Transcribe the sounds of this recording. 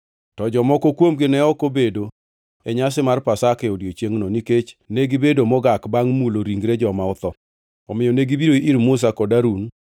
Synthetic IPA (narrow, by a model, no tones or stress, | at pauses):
tɔd͡ʒɔmɔkɔkwomɡɪnɛɔkobedo | ɛɲas̬ɪmarpasakɛɔdjot͡ʃjeŋnɔniket͡ʃneɡibedomɔɡakbaŋmuloɾiŋɡɾed͡ʒɔmaʊt̪ɔ | ɔmɪjɔneɡibiɾoiʔiɾmʊs̬akɔdaɾun